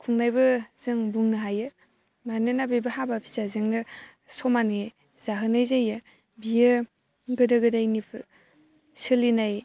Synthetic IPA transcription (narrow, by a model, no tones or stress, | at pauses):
kʰuŋnajbɯz̥ɯŋbuŋnɯɦajɯ | manɯnabebaɦabapʰi̥zazɯŋnɯ | sɔmanɯ | z̥aɦɯnajzajɯ | bijɯ | ɡɯdɯɡɯdajnipʰɯ | sɯlinaj